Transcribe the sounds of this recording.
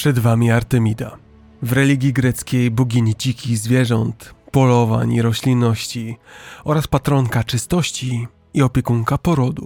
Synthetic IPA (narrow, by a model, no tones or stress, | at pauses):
pʂɛd̪vamʲiaɾt̪ɛmʲid̪a̰ | vɾɛlʲiɡʲjiɡɾɛt̪skʲejbuɡʲiɲit͡ɕikʲizvʲjɛʐɔnt̪pɔlɔva̰ɲiɾɔɕlʲinːɔɕt͡ɕiɔɾaspat̪ɾɔŋkat͡ʂɘst̪ɔɕt͡ɕiː | ɔpʲjɛkuŋkapɔɾɔd̪ṵ